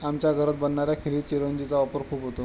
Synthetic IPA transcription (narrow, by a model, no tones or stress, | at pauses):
amt͡ɕjaɡʱəɾət̪̚bənɳaɾjakʰiliːt͡ɕeɾənd͡ʑit͡saʋapəɾkʰuːpɦot̪o